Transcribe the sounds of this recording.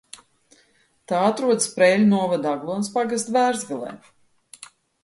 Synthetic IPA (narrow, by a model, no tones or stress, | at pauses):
t̪aːat̪ɾuɔd̪spɾɛːlʲunuɔvad̪aɡlˠuɔnspaɡast̪væːɾzvʲilˠɛ̰ː